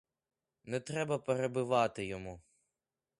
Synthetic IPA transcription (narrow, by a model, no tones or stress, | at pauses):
nɛt̪ɾɛbɐpeɾebɪʋɑt̪ɪjɔmu